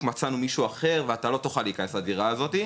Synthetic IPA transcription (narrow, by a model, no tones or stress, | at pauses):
mat͡sanumiʃuaχe̞ʁveat̪alo̞t̪uχalikanesadiʁaːzo̞t̪i